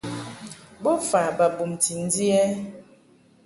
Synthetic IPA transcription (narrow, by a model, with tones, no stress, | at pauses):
bɔ˦fa˨ba˨bu˨mti˨n̩˦di˦ɛ˦